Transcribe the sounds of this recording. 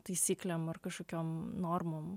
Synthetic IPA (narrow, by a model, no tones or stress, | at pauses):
t̪ɐɪsʲiːklʲɛmɐrkɐʃkoːkʲoːmnoːrmoːm